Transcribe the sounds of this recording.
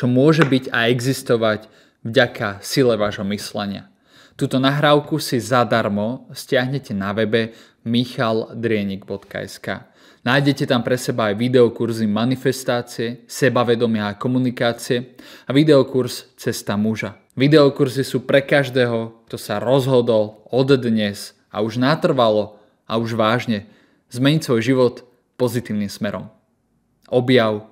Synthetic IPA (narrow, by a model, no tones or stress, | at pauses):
t͡ʃɔmʊɔʒɛbiɟa̰ɛɡzist̪ɔʋaɟ | vɟakʰasilɛʋaːʒɦɔmislɛɲɪa̰ | t̪uːt̪ɔnaɦɾaːʊkusizad̪aɾmɔscɪaɦɲɛcɛnaʋɛbɛ | mixald̪ɾɪɛɲiɡbɔt̪ka̰ɛ̰ska̰ː | naːjɟɛcɛt̪ampɾɛsɛbaːjʋid̪ɛɔkuɾzimanifɛst̪aːt͡siɛsɛbaʋɛd̪ɔmɪaːkɔmunikaːt͡siɛaʋid̪ɛɔkuɾst͡sɛst̪amuʒa | ʋid̪ɛɔkuɾzisuːpɾɛkaʒd̪ɛːɦɔkt̪ɔsaɾɔzɦɔd̪ɔlˠɔd̪d̪ɲɛs | a̰uʒnat̪r̩ʋalɔ | auʒʋaːʒɲɛ | zmɛɲicsʋɔjʒiʋɔt̪ | pɔzit̪iːʊnimsmɛɾɔ̰m | ɔbjaʊ